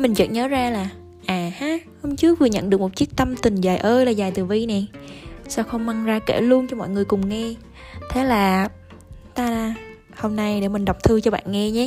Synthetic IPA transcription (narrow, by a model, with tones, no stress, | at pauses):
mï˨˩ŋ̟zə̰˧˨˩nɲəː˨˦zaː˧laː˨˩ | ʔaː˨˩haː˨˦hə˧wŋ͡mt͡ɕɨ˦˥ək̚vɨ˨˩ɲə̰˧˨nɗɨ˨˩əkmo˨˩t̚t͡ɕi˦˥ək̚t̪ə˧mt̪ï˨˩ŋ̟zaː˨˩jʔəː˧jlaː˨˩zaː˨˩jt̪ɨ˨˩vi˧nɛ˨˩saː˧wxə˧wŋ͡mma˧ŋzaː˧kḛ˧˩lu˧ənt͡ɕɔ˧mɔ̰˧˨jŋɨ˨˩əjkʊ˨˩ŋ͡mŋɛ˧ | t̪ʰe˨˦laː˨˩ | t̪aː˧laː˧˩ | ho˧mna˧jɗḛ˧˩mï˨˩ŋ̟ɗə˨˩wk͡p̚t̪ʰɨ˧t͡ɕɔ˧ɓa̰ː˧˨nŋɛ˧ɲɛ˧˦